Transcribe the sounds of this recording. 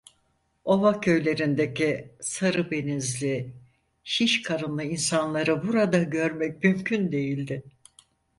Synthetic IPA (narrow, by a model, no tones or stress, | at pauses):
o̞vacʰø̞jlʲe̞ɾind̪e̞cisaɾɯbe̞nizlʲi | ʃiʃkʰaɾɯnlˠɯinsanlˠaɾɯbuɾad̪aɟø̞ɾmɛc̚mymcʰynd̪e̞jilʲd̪ɪ